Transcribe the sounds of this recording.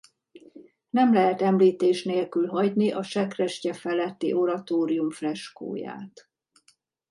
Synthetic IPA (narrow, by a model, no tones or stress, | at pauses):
nɛmlɛɦɛt̪ɛmliːt̪eːʃneːlkylɦɒɟniʔɒʃɛkrɛʃcɛfɛlɛt̪ːḭʔo̞ɾɒt̪oːɾijumflɛʃko̰ːja̰ːt̪